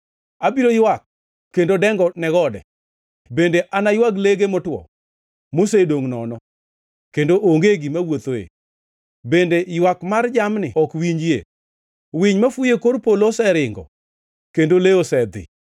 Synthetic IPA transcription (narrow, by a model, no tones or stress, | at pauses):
abiɾojwak̚ː | endodɛŋɡɔnɛɡɔdɛ | bendeʔanajwaɡleɡemɔtwɔ̰ | mosedoŋnɔnɔ | kendoʔoŋɡeɡimawot̪oḛ | bendejwakmard͡ʒamnɪ̰ɔkwiɲd͡ʒjḛ | wiɲmafʊjekorpolosɛɾɪŋɡɔ̰ | kendoleosɛd̪ɪ̰